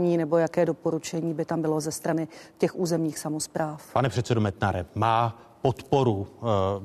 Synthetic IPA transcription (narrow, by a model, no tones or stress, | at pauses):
ɲiːnɛbo̞jakɛːdo̞po̞ɾut͡ʃɛɲiːbɪt̪ambɪlo̞zɛst̪ɾanɪcɛxʔuːzɛmɲiːxsamospɾaːfpanɛpr̥ɛt̪sɛdomɛt̪naɾɛmaː | pot̪poɾu